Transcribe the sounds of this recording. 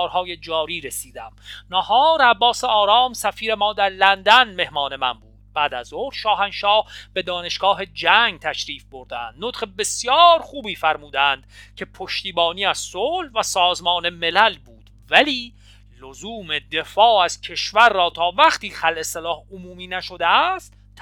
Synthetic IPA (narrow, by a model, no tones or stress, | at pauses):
ɾhɒːje̞d͡ʒɒːɾiːɾesiːd̪æmnɑhɒːɾæbːɒːseɒːɾɒːmsæfiːɾe̞mɒːd̪æɾlænd̪ænme̞hmɒːne̞mænbuːd̪̥̚bæːd̪æzoɾʃɒːɦænʃɒːhb̥e̞d̪ɒːne̞ʃɡ̥ɒːɦe̞d͡ʒæŋɡt̪ʰæʃɾiːfbo̞ɾd̪æ̰nd̪̥not̪χebe̞sjɒːɾxuːbiːfæɾmuːd̪ænd̪̥cʰe̞pʰoʃt̪iːbɒːniːæz̥solvæsɒːzmɒːne̞me̞lælbuːd̪̥ | væliː | lozuːme̞d̪e̞fɒːæz̥cʰe̞ʃvæɾːɒːt̪ʰɒːvæχt̪iːxælʔe̞selɒːhomuːmiːnæʃo̞d̪eæst̪